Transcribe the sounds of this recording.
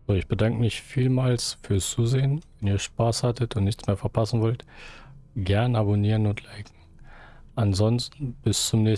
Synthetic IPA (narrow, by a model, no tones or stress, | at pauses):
zoːɪçb̥ədaŋkəmɪçfiːlmaːlsfyːɐst͡suːzeːənvɛniːɐʃpaːshatʰətʊntnɪçt͡smeːɐfɛɐpʰasn̩vɔlt | ɡ̥ɛɐnaboniːʁənʊntʰlaɪkŋ̩ | ʔanzɔnstn̩b̥ɪst͡sʊmnɛː